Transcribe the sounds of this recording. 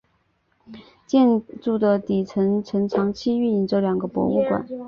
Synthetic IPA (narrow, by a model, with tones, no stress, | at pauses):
t͡ɕjɛ˥˧nt͡su˥˩d̪ə˨t̪i˨˩t͡sʰə˧˥nt͡sʰə˧˥nt͡sʰɑ˧˥ŋt͡ɕʰi˥y˥˩ni˧˥˩nt͡so˥ljɑ˨˩ŋɡə˧˦pwɔ̰˧˥u˥˩kwa̰˨˩˦n